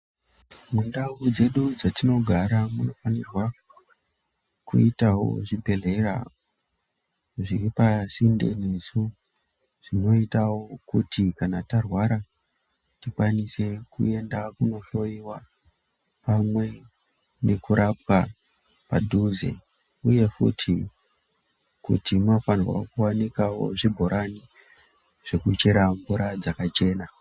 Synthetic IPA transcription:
mundaud͡ze̞ɗud͡zatino̞ɡʱaɾamuno̞fanirwa | kuitawo̰ʐibʱe̞le̞ra̰o | ʐiripasinde̞̰ne̞su | ʐ̥ino̞itawokutikanatarwaɾa | tikwanise̞kṵe̞ndakuno̞ɬo̞iwa | pamwe̞ | ne̞kuɾʔap̚wa | pa̰dʱuzḛ | uje̞fṵtʰi | kṵtimafanirwa̰kuwanikawo̞̰ʐibʱo̞ɾʔani | ʐ̥e̞kut͡ʃeɾaɱvuɾad͡zakat͡ʃe̞ːna

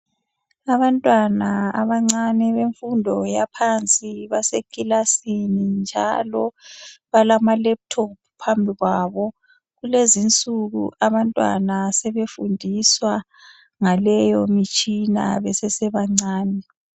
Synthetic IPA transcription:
aβantʼwanaaβaŋ͡ǀanɛβeɱfundʱɔjapʰant͡sʼiβasekʼilasinind͡ʒʱalɔβalamalɛp̚tʰopʰupʰambʱiɣwaːβɔ | ɣulezint͡sʼuɣṵʔaβantʼwa̰nasɛβefundʱiswa | ŋalɛjɔmit͡ʃʼina̰βɛsɛsɛβaŋ͡ǀaːnɛ

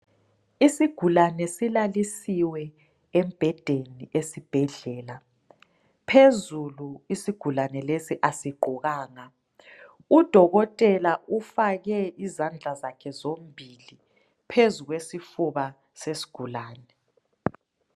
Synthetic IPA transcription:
isiɡ̥ʱulanɛsilalisiwɛ | ɛmb̥ʱɛd̥ʱeniʔesib̥ʱɛɮɛːla | pʰezuluisiɡ̥ʱulanɛlesiʔasiɡ͡ǃʱuɣaːŋa | ud̥ʱɔɣɔtʼɛlaufaɣɛizand͡ɮʱazakʰɛzombʱili | pʰezuɣwesifuβa | sesi̥ɡ̥ʱulaːnɛ

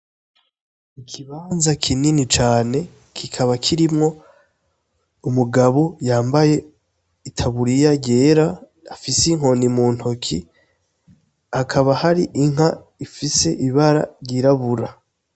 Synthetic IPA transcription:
ikʰiβaːnzakʰininit͡ʃaːne̞ | kʰikʰaβakʰiɾimŋo̞ | umuɡaβojaːmbaje̞ | itʰaβuɾijaɟe̞ːɾaː | fisiŋɦo̞nimuːn̥hokʰḭ | akʰaβahaɾiʔiŋ̥a | ifise̞ʔiβaɾa̰ɾɟiɾaβuɾa

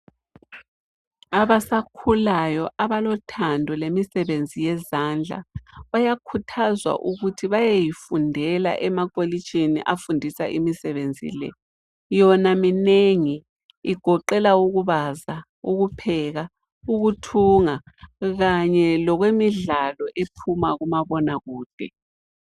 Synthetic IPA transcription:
aβasakʰulajɔʔaβalɔtʰandʱɔlemisɛβend͡zʱijɛzand͡ɮʱa̰βajakʰutʰazwa̰ʔuɣutʰiβajejifundʱɛla̰ʔɛmakʼolit͡ʃʰʼinḭʔafundʱisa̰ʔimisɛβend͡zʱḭlɛ̰ | jɔnamineŋiː | ɡ̥ʱɔǃɛlauɣuβaza | uɣupʰɛɣa | uɣutʰuːŋa | ɣaɲɛlɔɣwemiɮalɔʔepʰumaɣumaβɔnaɣuːd̥ʱɛ

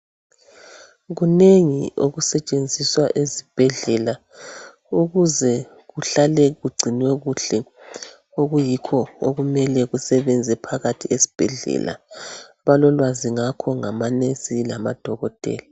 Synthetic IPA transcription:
ɣuneŋioɣusɛt͡ʃʼend͡zʱiswaʔezib̥ʱɛɮɛla | uɣuzɛ | ɣuɬalɛɣuɡ͡ǀʱinwɛɣuɬɛ | oɣujikʰɔoɣumɛlɛɣusɛβɛnd͡zʱɛpʰaɣatʰiesi̥b̥ʱɛɮɛ̰la̰ | βalɔlwaziŋakʰɔŋamanesilama̰d̥ʱɔɣɔtʼɛ̰ːla

